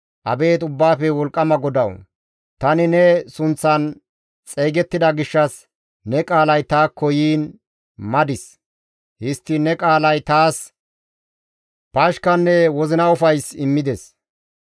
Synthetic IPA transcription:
ʔɐbe̞ːt̪ʊbːaːfɛwɔlkʼːɐmɐɡɔd̪ɐw | t̪ɐnɪnɛsʊnt͡sːɐn | t͡sʼejɡɛt̪ːɪd̪ɐɡɪʃːɐs | nɛkʼaːlɐjt̪aːkːɔjiːn | mɐd̪ɪs | hɪst̪ːɪnɛkʼaːlɐjt̪aːs | paːʃkɐnːɛwɔzɪnɐʊfɐjsɪmːɪd̪ɛs

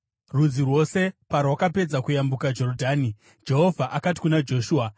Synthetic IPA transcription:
rud͡zirwo̞se̞parwakape̞d͡zakujambukad͡ʒo̞rodʱaːni | d͡ʒe̞ɦo̞vʱaʔakati̥kunad͡ʒo̞ʃuːa

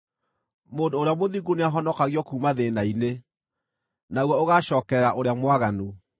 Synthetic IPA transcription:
moːndoːɾeamoðiɡuneaɦɔnɔkaɣjɔkuːmaðenaine | naɣwɔoɣaʃɔːkɛɾaʔoɾeamwaɣanu

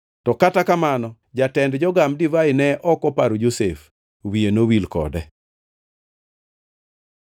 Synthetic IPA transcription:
tɔkatakamanɔ | d͡ʒatɛndd͡ʒɔɡamdivaɪnɛʔɔkɔpaɾod͡ʒosef | wienowilkɔ̰dɛ

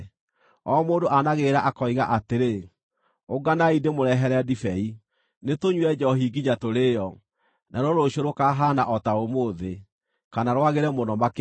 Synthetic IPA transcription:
ɔmoːndoʔanaɣeːɾaʔakɔiɣaʔateɾe | oɡanaidemoɾɛɦɛɾɛdifɛi | netoɲwɛd͡ʒɔɦiɡiɲatoɾejɔ | naɾoɾoɕoɾokaɦanaʔɔtaomoːðe | kanaɾwaɣeɾɛmonɔmak

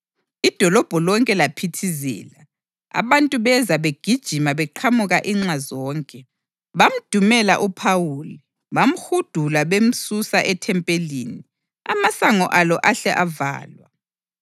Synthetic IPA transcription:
id̥ʱɔlɔb̥ʱɔlɔŋkʼɛlapʰitʰizɛ̰ːla | a̰βantʼuβɛzaβeɡ̥ʱid̥ʒ̥ʱimaβɛǃʰamuɣaʔiŋ͡ǁazɔːŋkʼɛ | βam̩d̥ʱumɛla̰ʔupʰawuːli | βam̩xud̥ʱulaβem̩susaʔɛtʰɛmpʼelḭːni | a̰masaŋɔʔalɔʔaɬɛʔava̰ːlwa̰

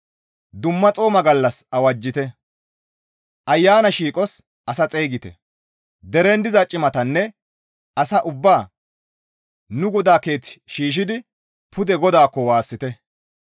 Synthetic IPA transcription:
d̪ʊmːɐt͡sʼo̞ːmɐɡɐlːɐsɐwɐd͡ʒːɪt̪ɛ | ʔɐjːaːnɐʃiːkʼɔs | ʔɐsɐt͡sʼeːɡɪt̪ɛ̰ | d̪ɛɾend̪ɪzɐt͡ʃʼɪmɐt̪ɐnːɛ | ʔɐsɐʔʊbːaː | nʊɡɔd̪aːke̞ːt͡sːʃiːʃ̬ɪd̪ɪ | pʰʊd̪ɛɡɔd̪aːkːɔwaːsːɪt̪ɛ

